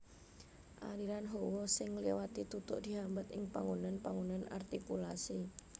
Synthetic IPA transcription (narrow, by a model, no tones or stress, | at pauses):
ʔa̰ɾiɾanɦowɔsɪŋlewat̪it̪ut̪ʊ̰ʔd̪̥i̤ɦambət̪ɪŋpaŋunanpaŋunana̰rt̪ikulasi